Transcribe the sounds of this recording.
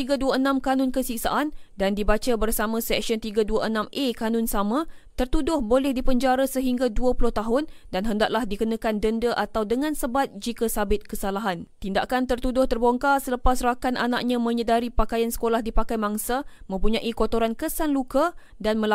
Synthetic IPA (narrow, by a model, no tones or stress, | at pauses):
t̪iɡaduaənãmkanʊnkəsik̚sa̰ʔandandibat͡ʃabərsamãsɛk̚siɔnt̪iɡaduaʔənãmʔekanʊnsamã | t̪ərt̪udʊhbolɛhdipəɲd͡ʒaɾasəɦiŋɡaduəpulʊht̪aɦʊn | danɦəndaʔlahdikənãkandəndəʔat̪awdəŋãnsəbat̪̚d͡ʒikasabɪt̪̚kəsalaɦant̪indaʔkant̪ərt̪udʊht̪ərboŋkasələpasrakanʔanaʔ̚ɲãmə̃ɲədaɾipakajansə̥kolahdipakajmaŋsamə̃mpuɲãʔikot̪oɾankəsanluka | danmə̃l